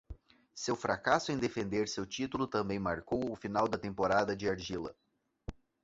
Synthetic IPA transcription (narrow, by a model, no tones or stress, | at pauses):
sewfɾakasʊẽj̃d̪efẽnd̪eɾsewt͡ʃit̪ulʊt̪ɐ̃mbẽj̃maɾkowʊfinawd̪ɐt̪ẽmpoɾad̪ɐd͡ʒɪaɾʒilɐ̰